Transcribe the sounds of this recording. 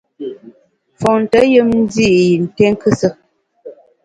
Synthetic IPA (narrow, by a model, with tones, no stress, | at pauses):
fɔ˨n̩˨tə˦jə˦mn̩˦di˦˨ʔji˨n̩˨tɛ˦ŋ˦kɨ˦sə˦